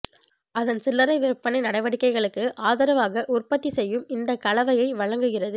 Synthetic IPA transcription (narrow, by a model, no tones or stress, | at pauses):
ɐðɐnsɪlːɐɾɐɪʋɪɾɯpːɐnɪnɐɽɐɪʋɐɽɪkːɐɪɣɐɭɯkːɯʔaːðɐɾɐʋaːɣɐʔʊrpɐt̪ːisɛjːɯmɪnd̪ɐkɐɭɐʋɐjɐɪʋɐɻɐŋɡɯɣɪrɐðɯ